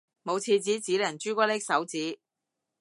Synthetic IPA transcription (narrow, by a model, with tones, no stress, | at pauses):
mo˨˧wt͡sʰiː˧t͡siː˨˥t͡siː˨˥lɐ˨˩nt͡ʃyː˥kʷɔː˥lɪ˥k̚sɐ˨˥wt͡siː˨˥